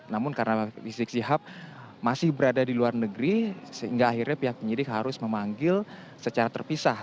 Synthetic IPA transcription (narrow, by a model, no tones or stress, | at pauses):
namʊnkaɾənafisɪk̚siɦap̚ | masɪhbəɾadadiluarnəɡɾisəɦḭŋɡaːhirɲapiɦak̚pəɲidɪkɦaɾʊsməmaŋɡɪl | sət͡ʃaɾat̪ərpisah